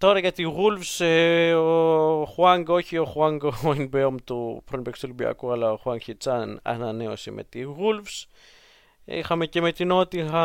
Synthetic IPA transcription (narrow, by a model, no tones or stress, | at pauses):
t̪oɾaʝat̪iɣulfseoxwaŋɡoçioxwaŋɡoinbeomt̪upɾonbekst̪ulbia̰kualaoxwaŋçit͡sana̰naneosimʔḛt̪iɣulfs | ḭxamecemet̪inot̪ixa